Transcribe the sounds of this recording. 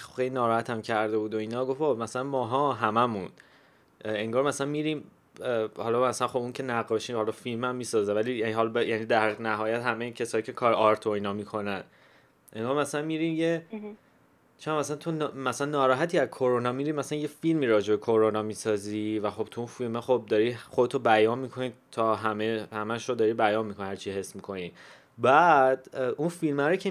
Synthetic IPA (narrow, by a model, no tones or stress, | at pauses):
xejlinɒːɾɒːhæt̪ʰæmcʰæɾd̪e̞buːd̪o̞iːnɒːɡofomæsælænmɒːɦɒːɦæmæmũn | eŋɡɒːɾmæsælænmiːɾiːm | hɒlɒmæsænχo̞buŋcʰe̞næʁɒʃiːhɒlɒfilmæmːiːsɒːzevælijæniɦɒlbejænid̪æɾiʁnæɦɒːjæt̪hæmejicʰe̞sɒːjiːcʰe̞kʰɒɾʔɒɾt̪ʰoiːnɒːmiːkʰo̞næn | ʔeŋɡɒːɾmæsælænmiɾiːmje | t͡ʃʰæmæsænt̪ʰonmæsælænːɒːɾɒːɦæt̪ʰiæzkʰo̞ɾonɒːmiɾiːmæsæænjefilmiːɾɒːd͡ʒebe̞kʰoɾonɒmiːsɒːzivæχo̞b̥̚t̪ʰuunfilmeχob̚d̪ɒɾiːχod̪et̪ʰobæjɒːnmiːkʰo̞nit̪ʰɒːɦæmehæmæʃɾod̪ɒɾiːbæjɒːnmikʰo̞nihæɾt͡ʃʰiɦe̞smiːkʰo̞ni | bæd̪unfilmæɾocʰe